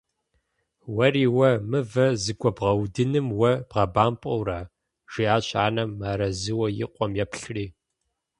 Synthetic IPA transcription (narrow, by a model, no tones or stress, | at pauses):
wɐriːwɐmɨvɐzɨɡʷʼɔbʁɐwdɨnɨmwɐb̥ʁɐbaːmpʼɐwraː | ʒ̥iaːɕʼaːnɐmːaːɾɐzɨwɐjɪ̰qʷʼɔmjɛpɬriː